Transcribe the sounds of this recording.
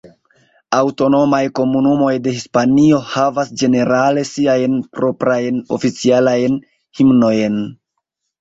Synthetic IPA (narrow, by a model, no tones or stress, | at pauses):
awto̞no̞majko̞munumo̞jde̞hispanio̞havasd͡ʒe̞ne̞ɾale̞siajnpɾo̞pɾajno̞̰fit͡sialajn | himno̞jn